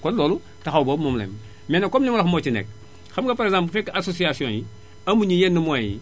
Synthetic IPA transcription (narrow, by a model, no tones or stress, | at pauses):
kollolu | taxawbobmomlḛm | menakomnimolaxmot͡ʃinḛk̚ | xamkapaɾeɡzãmpfekasosiasiõji | amuɲijenːumojḭ